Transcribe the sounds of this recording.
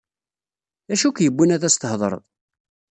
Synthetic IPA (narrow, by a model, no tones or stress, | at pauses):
æʃukjəbːinæðæst̪əhðˤɾˤə̰ðˤ